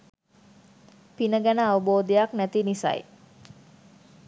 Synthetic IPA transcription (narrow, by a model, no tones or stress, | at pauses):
pinəɡænəaʋəboːd̪əjaknæt̪inisa̰j